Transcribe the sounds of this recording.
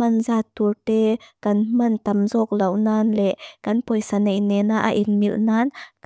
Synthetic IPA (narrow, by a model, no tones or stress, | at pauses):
ɐnzaːt̪urt̪ɛkɐnmɐnt̪ɐmzɔk̚lɐwnaːnlɛʔkɐnpɔjsanejnɛnaʔa̰ʔinmilnaːnk